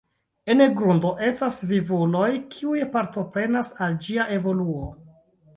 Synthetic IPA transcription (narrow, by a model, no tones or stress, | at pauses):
eneɡɾundo̞ʔe̞stasvivulo̞jkʰiujpaɾto̞pɾe̞nasald͡ʒiaʔe̞vo̞luo